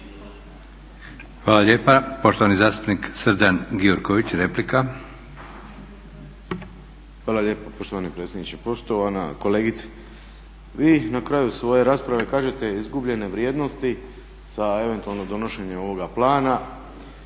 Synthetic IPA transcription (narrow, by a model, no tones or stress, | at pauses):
xʋaːlaʎʲe̞ːpapo̞ʃt̪oʋanizaːst̪u̥pniksɾd͡ʒanɡioɾkoʋit͡ɕɾeplika | xʋaːlˠaʎe̞ːpapo̞ʃt̪oʋanipɾet̪sʲjed̪nit͡ɕepo̞ʃt̪o̞ʋana̰ko̞le̞ːɡit̪si̥ | ʋiːnakɾaːjusʋo̞je̞ɾaːspɾaʋe̞kaːʒe̞t̪e̞izɡubʎe̞ne̞ʋɾjeːd̪no̞st̪i | sae̞ʋe̞nt̪ualˠnod̪o̞no̞ʃe̞ɲemo̞ʋo̞ɡaplaːna